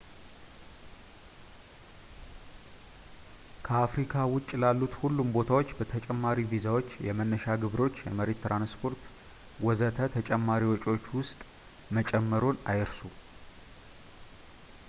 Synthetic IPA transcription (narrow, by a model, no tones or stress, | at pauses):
kʰəafɾikʰawʊt͡ʃʼːlalːut̪hulːumbo̞t̪ʰawo̞t͡ʃːbət̪ʰət͡ʃʼɛmːaɾivizawo̞t͡ʃːjɛmənːəʃaɡɨβɾo̞t͡ʃːjɛ̰məɾe̞t̪ːɾanspʰo̞ɾt̪ | ɡʷɔzət̪ʰət̪ʰət͡ʃʼɛmːaɾiwɔt͡ʃʼo̞t͡ʃːwʊst̪ʼ | mət͡ʃʼɛmːəɾo̞na̰jɨɾsu